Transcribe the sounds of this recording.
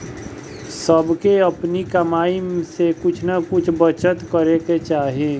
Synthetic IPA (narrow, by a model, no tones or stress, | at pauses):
səbkeɐpnikɐmaːimsekʊt͡ʃʰnakʊt͡ʃʰbət͡ʃət̪kəɾeket͡ʃaːɦẽː